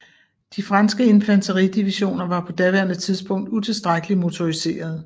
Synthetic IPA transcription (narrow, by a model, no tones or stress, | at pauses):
d̥ifʁɑnsɡ̥əe̝npʰlænt͡sʰəʁid̥iʋiɕo̝̰ːnɐʋɑ̈pʰɒ̽d̥æʋæɐnðt͡sʰið̞ˠsb̥ɔ̽ŋ̰d̥ut͡sʰe̝lsd̥ʁaɡ̥əlimo̝t͡sʰo̝ise̝̰ːɐð̞ˠ